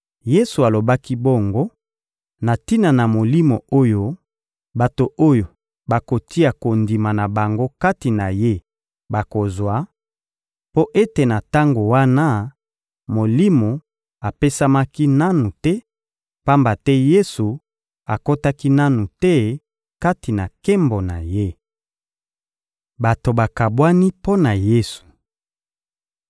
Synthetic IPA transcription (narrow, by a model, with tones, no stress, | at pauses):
je˦su˨a˨lo˨ba˦ki˦bo˦˨ŋɡo˦ | na˨ti˦na˨na˨mo˨li˦mo˨o˦jo˦ | ba˨to˨ʔo˦jo˨ | ba˨ko˨ti˦a˨ko˨ndi˨ma˨na˨ba˨ŋɡo˦ka˦ti˨na˨je˦ | ba˨ko˨zwa˨˦ | po˦ʔe˦te˨na˨ta˦ŋɡo˨wa˦na˦ | mo˨li˦mo˨ | a˨pe˦sa˦ma˦ki˦na˦nu˨tɛ˦ | pa˦mba˨tɛ˦je˦su˨ | a˨ko˦ta˦ki˦na˦nu˨tɛ˦ | ka˦ti˨na˨ke˦mbo˨na̰˨je˦ | ba˨to˨ba˨ka˨bwa˦ni˦po˦na˨je˦su̥˨